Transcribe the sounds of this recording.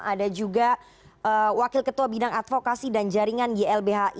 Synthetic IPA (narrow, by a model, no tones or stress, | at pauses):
adad͡ʒuɡa | ʔəwakɪlkət̪uabidaŋat̪fokasidand͡ʒaɾiŋandiɛlbeɦaʔ